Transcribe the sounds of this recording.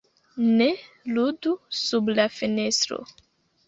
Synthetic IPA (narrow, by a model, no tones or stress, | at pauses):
ne | ludusublafenestɾo̰